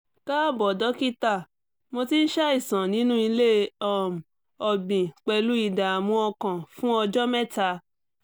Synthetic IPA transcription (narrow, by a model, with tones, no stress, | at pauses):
ka˦˨bɔ˨dɔ˨˦ki˦ta˦˨ | mo˧ti˦n̩˦ʃa˦i˦˨sã˨nĩ˨˦nũ˦i˧le˦ɔ˨m˨ | ɔ˨ɡ͡bĩ˨k͡pɛ˧lu˦i˦˨da˨mũ˨˧˦ɔ˧kã˨fũ˦ɔ˧d͡ʒɔ˦mɛ˦ta˧